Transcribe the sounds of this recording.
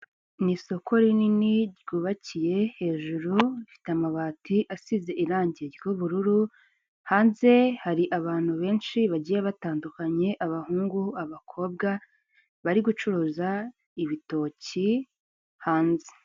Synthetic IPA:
niso̞kʰo̞ɾininiɾɟɡuːβacije̞he̞ːʒuɾuifi̥teamaβaːtiʔasize̞ʔiɾaːɲɟieɾɡjoβuɾuɾu | haːnze̞haɾiʔaβaːn̥huβe̞ːnʃiβaɟiːjeβataːndukaɲe̞ʔaβahuːŋɡuaβakʰo̞b̚ɡa | βaɾiɡut͡ʃuɾoːza | iβito̞ːci | haːnze̥

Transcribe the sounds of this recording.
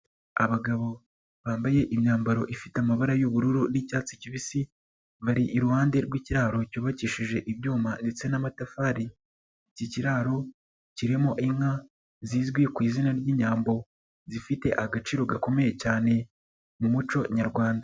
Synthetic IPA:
aβaɡaβo̞ | βaːmbaje̞ʔimɲaːmbaɾo̞ʔifitamaβaɾajuβuɾuɾunicaːt͡si̥ciβisi | βaɾiʔːɾuhaːnde̞ɾɡwiciɾaːɾo̞cuːβaciːʃiʒe̞ʔiβjuːmande̞t͡se̞namatafaːɾi | ciciɾaːɾo̞ | ciɾimoʔiŋha | ziːzɡwekwiːzinaɾɟiːɲaːmbo̞ | zifite̞ʔaɡat͡ʃiːɾo̞ɡako̞me̞je̞caːne̞ | mumut͡ʃo̞ɲaɾɡwaːnda

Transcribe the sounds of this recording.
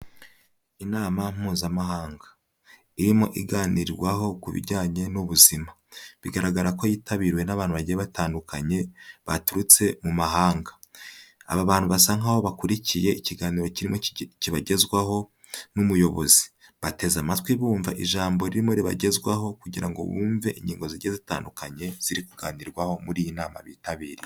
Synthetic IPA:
inaːmam̥uːzamaɦaːŋɡḁ | iɾimo̞ʔḭɡaːniɾiɾɡwaɦo̞kuβḭɟaːɲe̞nuβuzima | βiɡaɾaɡaɾako̞jiːtaβiɾwe̞naβaːn̥huβaɟijeβataːndukaɲe̞βatuɾut͡se̞mumaɦaːŋɡḁ | a̰βaβaːnhuβasaŋaho̞βakuɾicije̞iciɡaːniɾo̞ciɾimociβaɟe̞zɡwaɦo̞ | numujo̞βo̞zi̥βate̞zamatwiβuːɱvaʔiʒaːmbo̞ɾiɾimoɾiβa̰ɟe̞zɡwaɦo̞kuɟiɾaŋɡo̞̰βuːɱve̞ʔiɲɟiːŋɡo̞ziɟezita̰ːndukaɲe̞z̥iɾikuɡaːniɾɡwaho̞muɾijinaːma̰βiːtaβiːɾi

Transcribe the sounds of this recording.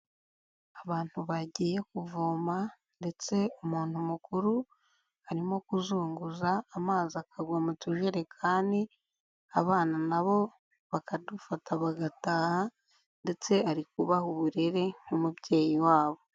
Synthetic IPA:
aβaːnthuβaɟiːje̞kuvoːma | nde̞t͡se̞umuːn̥humukuɾu | haɾimo̞kuzuːŋɡuzaːmaːziakʰaɡwamuciʒeɾe̞kʰaːndi | aβaːnanaβo̞ | βakadufatʰaβaɡataːha | nde̞t͡se̞aɾikuβahuβuɾe̞ɾe̞ŋ̥umubɟe̞ːjiwaːβo̞

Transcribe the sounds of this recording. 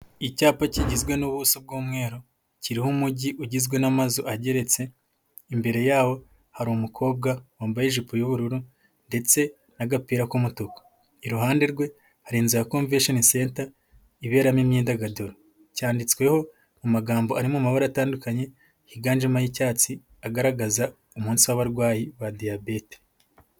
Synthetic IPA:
icaːpaciɟizɡwe̞nuβusub̚ɡuːmŋe̞ːɾo | ciɾihumuɟiʔuɟizɡwe̞namazoʔaɟe̞ɾe̞t͡se̞ | imbe̞ɾe̞jaːwo̞ | haɾiumukʰo̞ːb̚ɡawoːmbajeʒipojuβuɾuɾu | nde̞t͡se̞ | naɡapiːɾakumutokḁ | iɾuɦaːnde̞ɾɡwe̞ | haɾiːnzijakoːɱveʃonise̞ːnta | iβe̞ːɾamimɲiːndaɡadoɾo | caːndit͡skwe̞ho̞ | mumaɡaːmbo̞aɾimumaβaɾataːndukaɲe̞ | hiɡaːnd͡ʒimajicaːt͡si | aɡaɾaɡaza | umuːnsiwaβaɾɡwaːjiβadijabete̥

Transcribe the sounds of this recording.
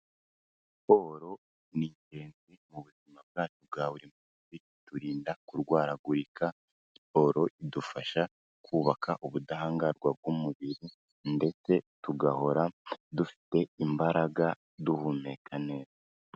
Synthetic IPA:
po̞ɾo̞ | niɲe̞ːnzimuβuzimab̚ɡaːtub̚ɡaːβuɾimuːzi | tuɾiːndakuɾɡwaːɾaɡuɾikʰa | po̞ɾo̞ʔidufaʃa | kʰuːβakʰaʔuβudaɦaːŋɡaɾɡwab̚ɡwumuβiɾi | nde̞t͡se̞tuɡaho̞ɾadufi̥te̞imbaɾaɡa | duhumekʰaneza

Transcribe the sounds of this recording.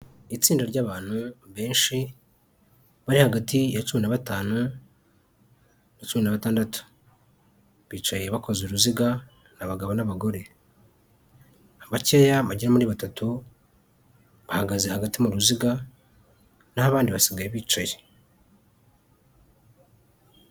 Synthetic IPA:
it͡siːndaɾɟaːβaːn̥huβe̞ːnʃi | βaɾihaɡatijat͡ʃuːinaβataːnu | nat͡ʃuβinaβataːndatu̥ | βiːt͡ʃajjeβako̞zuɾuziɡa | naβaɡaβo̞naβaɡo̞ɾe̞ | aβace̞jaβaɟiɾamuɾiːβatatu | βahaɡazehaɡatimuɾuziɡa | nahaβaːndiβasiɡajeβiːt͡ʃaje

